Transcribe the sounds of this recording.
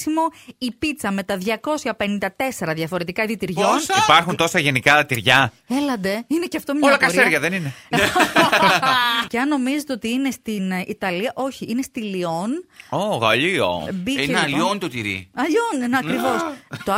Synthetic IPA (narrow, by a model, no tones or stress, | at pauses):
simo̞ipit̪t͡sɐme̞t̪ɐðʝɐko̞sçɐpe̞nind̪ɐt̪e̞se̞ɾɐðʝɐfo̞ɾe̞t̪ikɐiðit̪iɾʝo̞nipɐɾxunt̪o̞sɐʝe̞nikɐt̪iɾʝɐ | e̞lɐnd̪e̞ineceɐft̪omɲoɐlɐkɐsieɾʝɐðenine | ceɐnːo̞mizet̪eo̞t̪iine̞st̪init̪ɐliɐʔo̞çiine̞st̪ilio̞noɣɐʎio̰biieliont̪ot̪iɾḭɐʎonineɐkɾivo̞st̪o